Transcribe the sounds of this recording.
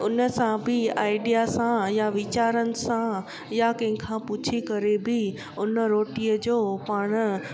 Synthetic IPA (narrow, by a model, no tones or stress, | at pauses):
ʊnəsãbʱɪaːɪɖijasãjaʋɪt͡ɕaːɾənɪ̆sã | jakɐ̃ɦɪ̃kʰãput͡ɕʰikɐɾebɪ | ʊnəɾoːʈiəd͡ʑoːpaːɽ̃